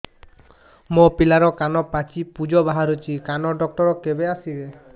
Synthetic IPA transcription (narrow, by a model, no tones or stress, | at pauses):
mopilaɾɔkanɔpat͡ʃipud͡ʒɔbaɦaɾut͡ʃʰikanɔɖɔk̚ʈɔɾɔkebeasibe